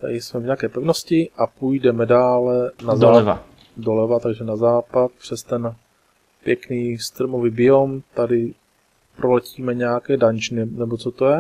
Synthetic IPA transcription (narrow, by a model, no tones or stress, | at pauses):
t̪a̰dɪsmɛvɲɛakɛːpɛvnoscɪʔapujdɛmɛdaːlɛnazaːɛva̰ | dolɛvat̪aɡʒɛnazaːpat̪̚pr̝̥ɛst̪ɛn | pjɛkniːst̪ɾmovibɪomt̪adɪ | pɾʔolɛciːmɛɲɛakɛːdaɲt͡ʃnɪnɛbot͡sot̪o̞jɛ